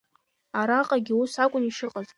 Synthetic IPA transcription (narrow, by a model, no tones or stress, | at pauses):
aɾaqʼaɡʲɪusakʷʼʊniʂɨqʼaz